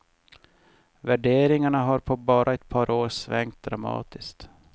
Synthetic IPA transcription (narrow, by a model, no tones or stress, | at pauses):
væɖeːɾɪŋaɳaɦaɾpʰɔbɑːɾʔaɛt̪̚pʰɑːɾʔoːɾsvɛŋk̚t̪̚d̪ɾamɑ̰ːt̪ɪskt̪